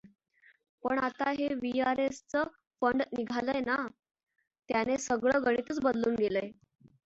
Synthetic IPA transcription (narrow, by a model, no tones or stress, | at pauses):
pəɳat̪aɦeʋiaɾest͡sə | fəɳɖniɡʱaləjna | t̪janesəɡɭəːɡəɽ̃it̪ət͡sbəd̪luːnɡeləj